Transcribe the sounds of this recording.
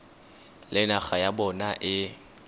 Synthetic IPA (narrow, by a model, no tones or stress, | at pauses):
lɪnaɣajabɔnaʔɪ